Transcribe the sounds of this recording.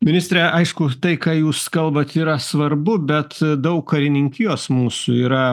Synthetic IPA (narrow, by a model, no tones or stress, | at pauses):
mʲɪnʲɪsʲt̪ɾʲɛʔɐɪʃkʊt̪ɐɪkɑːjuːskɐlˠbɐt̪iːɾɐsʋɐɾbʊbʲɛt̪d̪ɐʊkːɐɾʲɪnʲɪŋʲkʲɪjoːsmuːsʊiːɾɐ